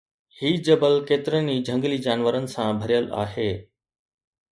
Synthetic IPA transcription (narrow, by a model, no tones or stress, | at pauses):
hiːd͡ʑɐbəlkeːt̪ɪɾənid͡ʑʱɐ̃ŋɡlid͡ʑaːnʋəɾənɪ̆sãbʱɐɾijəla̰ːɦeː